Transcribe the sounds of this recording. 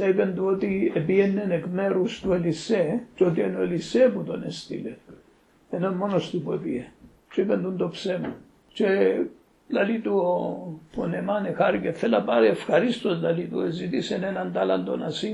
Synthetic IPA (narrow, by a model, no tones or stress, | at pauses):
teipend̪uot̪iepienːenekmeɾust̪ueliset͡ʃot̪ienoeliseput̪onest̪ḭle | enonmonost̪upuepie | t͡ʃeipend̪und̪opsemo | t͡ʃe | lalit̪uoponemanexaɾikefelapaɾeefxɐɾist̪ozlalit̪ṵezit̪isenenand̪ala̰nd̪o̰na̰si